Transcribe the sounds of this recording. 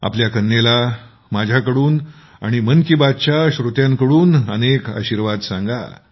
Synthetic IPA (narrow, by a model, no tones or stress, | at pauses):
a̰pljakənːela | mad͡ʑʱjakəɽuːn | a̰ɽ̃imənkibad̪̚t͡ɕjaɕɾut̪jãŋkəɽuːnəneka̰ɕiɾʋad̪sãŋɡa̰